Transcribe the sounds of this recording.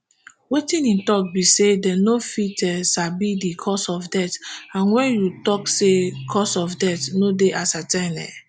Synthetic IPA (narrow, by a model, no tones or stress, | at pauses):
wetĩnĩtɔk̚bisedɛnofitɛʃabidikʰɔsɔfdɛtãnwɛ̃njutɔksekʰɔsɔfdɛtnodeʔasatãnɛ̰